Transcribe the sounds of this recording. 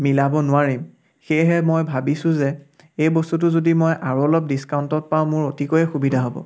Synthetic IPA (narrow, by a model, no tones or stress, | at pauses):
milabɔnʊwaɹim | xejɦɛmojbʱabisʊ̃zɛ | ejbostut̬ʊzodimojʔaɹuɔlɔp̚diskaʊntɔt̚paʊ̃mʊɹotikojɛxubidʱaɦobɔ̰